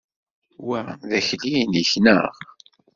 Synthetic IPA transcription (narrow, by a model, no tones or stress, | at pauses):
wæðæçlijniçnəʁ